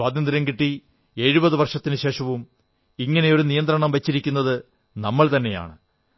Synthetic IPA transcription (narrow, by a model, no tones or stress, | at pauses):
waːd̪ɐnd̪ɾjɐmkiʈːi | e̞ːɻubɐðɨʋɐrʂɐt̪ːinɨɕe̞ːʂɐʋum | iŋːɐne̞jo̞ɾunijɐnt̪rɐɳɐmʋɐt͡ɕːiɾikʲːun̪ːɐðɨ | nɐmːɐɭt̪ɐnːe̞ja̰ːɳɨ